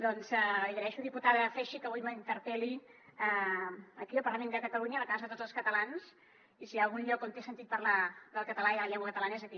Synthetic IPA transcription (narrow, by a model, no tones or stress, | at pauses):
d̪ɔnzəiɣəɾɛʃuðiput̪aðəfɛʃikəβujməint̪əɾpɛliəəkiəlˠpəɾləmend̪əkət̪əluɲələkazəðət̪od͡zzəlˠskət̪əlans | isialˠɣunʎɔkont̪esənt̪it̪̚pəɾləd̪əlˠkət̪əlaiðələʎɛŋɡwəkət̪əlanəezəki